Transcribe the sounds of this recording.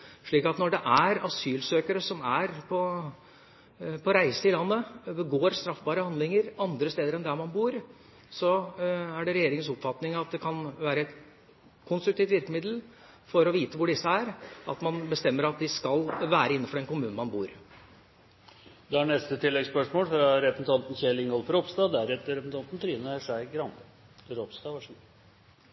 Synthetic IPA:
ʂɭiːkɑt̪nɔɖɛʔæɾɑsyːlsøːkəɾəsɔmæɾpʰɔ | pʰɔɾæɪsəɪlɑnːəəɡoːɾst̪ɾɑfbɑːɾəhɑnd̪lɪŋəɾɑnd̪ɾəst̪eːd̪əɾɛnd̪æɾmɑnbuːɾ | sɔæɖɛɾɛjeːɾɪŋənsʊpfɑt̪nɪŋɑt̪̚d̪ɛkʰɑnʋæːɾəɛt̪ | kʰʊnst̪ɾʉkt̪iːt̪ʋɪɾkəmɪd̪l̩ | fɔɾɔʋiːt̪əʋʊɖɪsːəæɾɑt̪mɑnbəst̪ɛmːəɾɑt̪̚d̪ɪskɑlʋæːɾəɪnːəfɔɖɛnkʊmʉːnn̩mɑnbṵːɾ | d̪ɛæɳɛst̪ət̪ʰɪlːɛɡspœʂmoːlfɾɑɾɛpənn̩t̪ʰɑnt̪n̩çɛlɪŋɔlfɔɾɔpst̪ɑːd̪æɾɛt̪ɾɛpəsn̩ʰɑnt̪n̩t̪ʰɾiːnəʂæɪɡɾɑnə | ɾɔpst̪ɑːʋɑʂ

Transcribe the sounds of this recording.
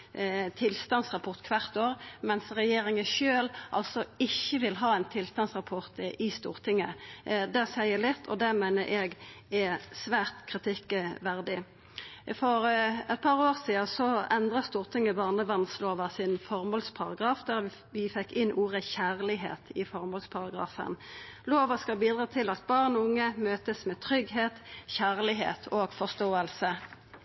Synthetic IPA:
t̪ʰɪlst̪ɑnsʁɑpʰɔʁt̪kʰʋɑʁt̪oːʁmɛnsʁɛjeːɾɪŋəʃøːlʔɑ̰lsɔɪçːəʋɪlɦɑːɛnt̪ʰɪlst̪ɑnsʁɑpʰɔʁt̪ɪst̪uːʁt̪ʰɪŋːəd̪ɛsæɪəlɪt̪ʰːɔ̰d̪ɛmæɪnəɾʔɛɡɛsʋæːʁt̪kʰʁɪt̪ʰɪkːəʋæʁd̪ɪ | fɔɾɛt̪̚pʰɑʁoːʁsiːəsɔɛnd̪ʁɑst̪uːʁt̪ʰɪŋːəbɑːʁnəʋɑnsloːʋɑsɪnfɔʁmɔlspʰɑʁɑɡʁɑːfd̪æʁʋ | ʋɪfɛkːɪnʔuːʁəçæːʁlɪɦḛːt̪ʰɪfɔʁmɔlspʰɑʁɑɡʁɑ̰ːfə̰nloːʋɑskɑlbiːd̪ʁɑːt̪ʰɪlɑt̪̚bɑːʁnɔʊŋːəmøːt̪əsmɛːt̪ʰʁʏɡɦeːt̪çæːʁlɪɦḛːt̪ʰoːɡfɔʁst̪oːəlsə

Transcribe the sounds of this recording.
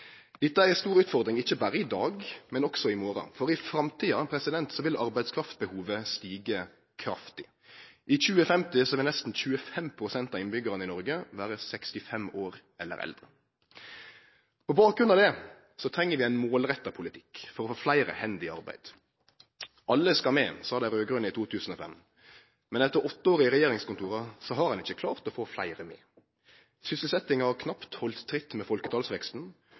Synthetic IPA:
d̪ɪt̪ːæɛst̪uːɾʉːt̪fɔʁd̪ɾɪŋɪçːəbæːɾəɪd̪ɑːɡmɛnɔksɔɪmoːɾɑ̰fɔɾɪfɾɑmt̪ʰiːɑpʰɾɛsɪd̪ɛnt̪sɔʋɪlʔɑɾbæɪd̪skʰɾɑft̪bəhuːʋəst̪iːɡə | kʰɾɑft̪ɪ | ʔɪc͡çʉːəfɛmt̪ɪsɔɛʋɪnɛst̪n̩c͡çʉːəfɛmpʰɾʊsɛnt̪ɑɪnbʏɡəʁənəɪnɔɾɡəʋæːɾəsɛkst̪ɪfɛmoːɾ | ɛ̰lːə̰ɾɛ̰ld̪ʁə | pʰɔbɑːkɾʁʉnɑd̪ɛ | sɔt̪ʰɾɛŋːəɾʋɪæɪnmoːlʁɛt̪ːɑpʰʊlɪt̪ʰɪ̥kfɔɾʁɔfoːflæɪɾə̰hɛnd̪ɪɑʁbæ̰ɪd̪̥ | ʔɑlːəskɑmeːsɑːd̪æɪɾøːɡɾʉnəit̪ʰuːt̪ʰʉːsn̩oːfɛ̰m | mɛnɛt̪əɾɔt̪ːəoːɾɪɪʁɛjeːɾɪŋskʊnt̪ʰuːʁɑsɔɦɑɾhɑnɪçəkʰlɑːʁt̪ɔfoːflæ̰ɪʁəmḛː | sʏsəlsɛt̪ːɪŋɑhɑʁkʰnɑpt̪hɔlt̪ʰːɾɪt̪ːmɛfɔlkət̪ʰɑːlsʋɛkst̪n̩

